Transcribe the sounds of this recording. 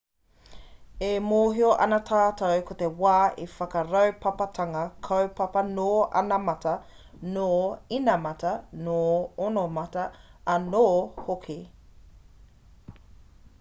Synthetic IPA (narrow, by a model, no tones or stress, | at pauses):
emoːɦioʔɐ̰nɐtʰaːtʰɐwkʰotewaːʔifɐkɐɾɐwpʰɐpɐtʰɐŋɐkʰɐwpɐpɐnoːɐ̰nɐmɐtɐ | noːinɐmɐtɐnoːonomɐtɐɐnoːhokʰi